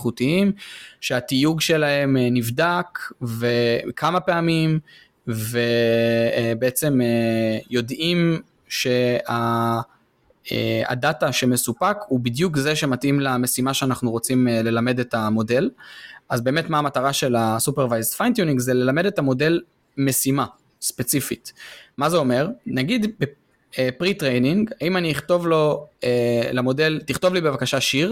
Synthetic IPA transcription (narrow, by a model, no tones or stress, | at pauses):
χutiimʃeatijuɡʃe̞lahe̞mnivdakvekʰamapeamim | ve | beet͡se̞mejo̞dim | ʃe̞a | ḛa̰dataʃe̞me̞supakhubidjukzeʃematimlame̞simaʃeanaχnuʁo̞t͡simele̞lame̞detamo̞de̞lazbe̞ːmetmaːmataʁaʃe̞lasupeʁvajzfajnt̪junikzele̞lame̞de̞tamo̞del | me̞sima | spet͡sifitmazeo̞me̞ʁnaɡid̪be | epʁitʁejniŋɡaimaniːχt̪o̞vlo̞elamo̞de̞ltiχto̞vlibe̞vakaʃaʃiʁ